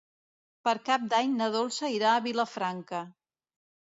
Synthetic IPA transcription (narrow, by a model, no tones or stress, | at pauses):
pəɾkap̚d̪aɲnəð̞olˠsəiɾaəβiləfɾaŋkə